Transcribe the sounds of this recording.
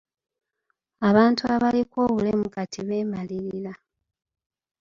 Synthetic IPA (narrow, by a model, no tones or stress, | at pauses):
aβaːntuaβaliko̞ːβule̞mukatʰiβe̞ːmaliɾila